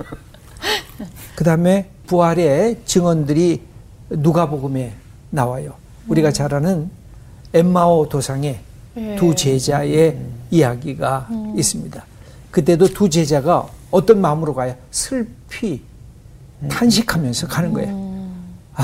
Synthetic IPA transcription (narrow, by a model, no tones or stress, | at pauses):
kɯdaɯme̞ | puɦaɾe̞t͡ɕɯŋwʌndɯɾi | nuɡaboɡɯme̞ | nawajo | uɾiɡat͡ɕaɾanɯn | emːaotosʰaŋe̞ | tut͡ɕe̞d͡ʑae̞ijaɡiɡais͈ɯmɲida | kɯt̬͈e̞dotud͡ʑe̞d͡ʑaɡaʌt͈ʌnmaɯmɯɾoɡajʌ | sʰɯɭpʰi | tʰanɕʰikʰamjʌnsʰʌkanɯnɡʌ̰ejo